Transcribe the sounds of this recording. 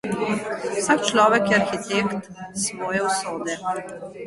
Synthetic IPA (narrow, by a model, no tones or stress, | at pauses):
sakt͡ʃlɔːʋɛkjɛaɾxit̪eːkt̪sʋɔːjɛɔsoːd̪ɛ